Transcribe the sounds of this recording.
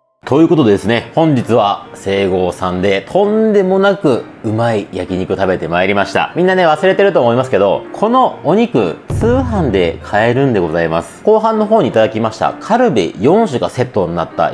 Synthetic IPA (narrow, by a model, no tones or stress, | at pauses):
t̪o̞jɯ̟ːko̞t̪o̞d̪sɨne̞hõ̞ɲ̟d͡ʑit͡sɨβase̞ːɡo̞ːsãnd̪e̞t̪ʰõ̞nd̪e̞mo̞nakɯ̟ | ɯ̟maijakʲiɲ̟ikɯ̟t̪abe̞t̪e̞maeɾʲimaɕi̥t̪a̰mʲĩnːane̞β̞asɨɾe̞t̪e̞ɾɯ̟t̪oːmo̞imasɨ̥ke̞d̪o̞kʰo̞no̞oɲ̟ikɯ̟̰t͡sɨːɦãnd̪e̞kʰae̞ɾɯ̟̃nd̪e̞ɡo̞zaima̰sɨ̥ko̞ːɦãnːo̞ɦoːɲ̟iːt̪ad̪akʲimaɕi̥t̪a̰kʰaɾɯ̟bʲḭjõ̞ɰ̃ɕɨkase̞t̪ːo̞ɲ̟ina̰t̪ːa̰